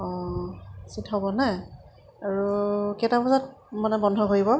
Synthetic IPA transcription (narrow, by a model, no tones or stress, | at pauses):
ɔ̃ | sitɦɔbɔnɛ | aɹukɛtabɔzat̚manɛbɔndʱɔkoɹibɔ